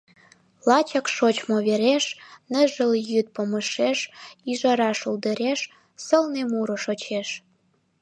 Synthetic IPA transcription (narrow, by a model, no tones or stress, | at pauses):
lɑt͡ɕɑkʃot͡ɕmoβeɾeʃnəʒəljyt̪̚poməʃeʃiʒɑɾɑʃuld̪ə̆ɾeʃ | səlnemuɾoʃot͡ɕeʃ